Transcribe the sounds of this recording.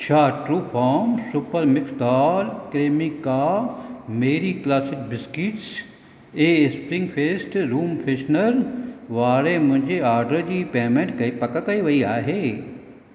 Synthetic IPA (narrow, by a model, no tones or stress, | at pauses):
t͡ʃʰaːʈɾuːpʰaːɾmsupəɾmɪkst̪aːlkɾeːmika | meːɾiklaːsɪk̚bɪskɪʈs | eːspɾɪ̃ŋɡpʰeːsʈɾuːmpʰeːʃnəɾʋaːɾemʊ̃d͡ʒeaːɾɖəd͡ʑiːpeːmẽɳʈkɐpɐkəkɐiʋɐiaːɦeː